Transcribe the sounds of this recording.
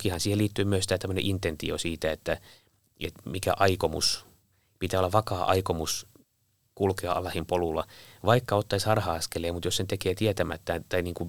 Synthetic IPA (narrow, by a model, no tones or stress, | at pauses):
kihɑnsiːheliːt̪ːyːmyøsi̥t̪æt̪æmːønḛʔint̪ent̪ḭo̰siːt̪æet̪ːæ | ḛt̪mikæ̰ʔɑikomṵs | pit̪æːolːɑʋʋɑkɑːʔɑ̰ikomus | kulkeɑɑ̰lːɑhimpolulːɑʋɑikːɑot̪ːɑishɑrhɑɑskelˑeːmut̪jossent̪ekeːt̪iɛt̪æmæt̪ːæt̪ɑiniːŋku